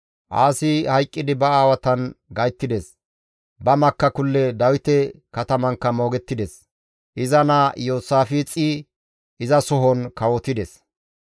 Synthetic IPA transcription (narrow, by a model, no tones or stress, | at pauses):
ʔa̰ːsɪhɐjkʼːɪd̪ɪbɐaːwɐt̪ɐnɡɐjt̪ːɪd̪ɛs | bɐmɐkːɐkʊlːɛd̪ɐwɪt̪ɛ | kɐt̪ɐmɐŋkːɐmo̞ːɡɛt̪ːɪd̪ɛs | ʔɪzɐnaːjo̞ːsaːfit͡sʼi | ʔɪzɐsɔɦɔnkɐwɔt̪ɪd̪ɛs